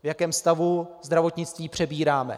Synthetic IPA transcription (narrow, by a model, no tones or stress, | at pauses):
vjakɛːmst̪avuzd̪ɾavo̞t̪ɲɪt͡st̪viːpr̝̥ɛbiːɾaːmɛ̰